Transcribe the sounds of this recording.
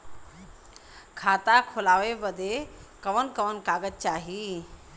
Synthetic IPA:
kʰaːt̪akʰolaːʋebəd̪ʱekəʋənkəʋənkaːɡət̪̚t͡ʃaːɦi

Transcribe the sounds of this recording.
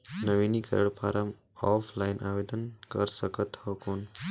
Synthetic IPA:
nəʋinikə̰ɾəɭpaɾʔəm | ɔpʰlainʔaʋed̪ənkəɾsəkət̪ɔkon

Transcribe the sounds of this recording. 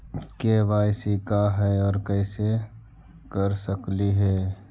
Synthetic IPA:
keːbaːɪsikaɦɛɔːɾkɛːse | kəɾsəkliɦɛː

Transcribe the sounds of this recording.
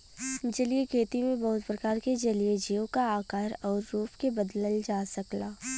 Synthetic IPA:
d͡ʒɐliekʰeːt̪imẽbɔɦʊt̪pɾɐkaːɾked͡ʒɐlied͡ʒeːõkaaːkaːɾɔːɾːuːpʰkebɐd̪ləld͡ʒaːsɐklaː

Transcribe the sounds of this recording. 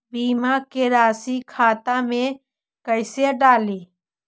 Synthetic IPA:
biːmakeɾaːsikʰaːt̪ãmẽ | kəɪseɖaːliː

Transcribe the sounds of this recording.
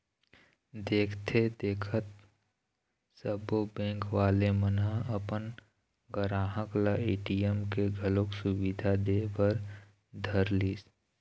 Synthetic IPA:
d̪eːkʰt̪ʰed̪eːkʰət̪̚ | səbobẽːŋkʋaːlemənaəpən | ɡəɾaːɦəklaeːʈiəmkeɡʱəloksʊwid̪ʱad̪eːbəɾ | d̪ʱəɾliːs

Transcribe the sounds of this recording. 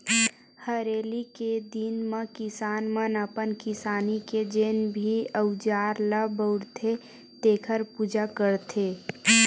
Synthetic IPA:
həɾeːliked̪inmə̃kɪsaːnmənəpənkɪsaːniked͡ʒeːnbʱiəʊd͡ʒaːɾləbəʊɾt̪ʰe | t̪eːkʰəɾpuːd͡ʒakəɾt̪ʰeː

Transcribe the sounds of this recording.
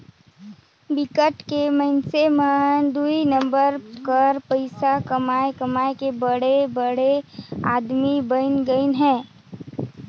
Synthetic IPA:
bɪkəʈkeməɪnsemə̃d̪uinə̃mbəɾkəɾpəɪsakəmaːekəmaːekebəɽebəɽeaːd̪mibənɡəinɦɛ̃ː

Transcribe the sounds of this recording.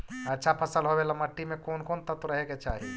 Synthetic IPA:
ɐtːʃʰapʰəsəlɦowelɐməʈːimẽkoːnkoːnt̪ɐt̪uɾɐɦeket͡ʃaːɦie

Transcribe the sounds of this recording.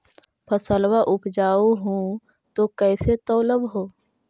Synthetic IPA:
pʰəsəlwaʔʊpd͡ʒaːuɦũ | t̪okɛːset̪ɔːləbɦoː

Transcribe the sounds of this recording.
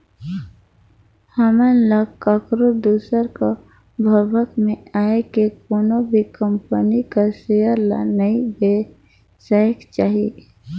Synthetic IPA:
həmələɡkakɾod̪uːsəɾko | bʱəbəkmẽaːekekoːnobʱikəmpənikasejəɾla̰nəibe | saːjəkt͡ʃaːɦie

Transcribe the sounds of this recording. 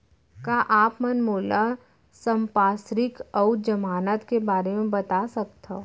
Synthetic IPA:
kaʔaːpmənmoːla | sə̃mpaːsɾɪkɔʊd͡ʒɐmaːnət̪kebaːɾemẽbɐt̪asɐk̚t̪a

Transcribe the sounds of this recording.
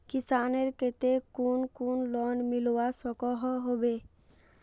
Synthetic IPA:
kisaneɾket̪ekunkunlɔnmilowasɔkɔɦɔɦobe

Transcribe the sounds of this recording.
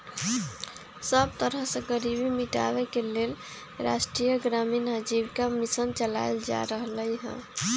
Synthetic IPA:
səb̚t̪əɾəɦsə̃ɡəɾibimiʈa̰bekelel | ɾa̰sʈɾijəɡɾaminɦəd͡ʒibkamisənt͡ʃəla̰jld͡ʒa̰ɾəɦləjɦə̰̃

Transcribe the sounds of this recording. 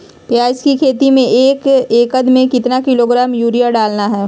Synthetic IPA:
pjaːzkikʰeːt̪imẽʔeːkeːkəd̪mẽkɪt̪nakɪloɡɾaːmjuːɾijaɖaːlnaɦɛː

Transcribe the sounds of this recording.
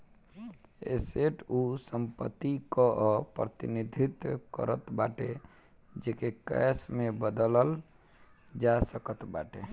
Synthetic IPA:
ḛseʈʰusəmpət̪ːikɔʔɔpɾət̪ḭnid̪ʱit̪kə̰ɾət̪baʈe | d͡ʒekekə̰smebəd̪ələl | d͡ʒasəkət̪baʈe

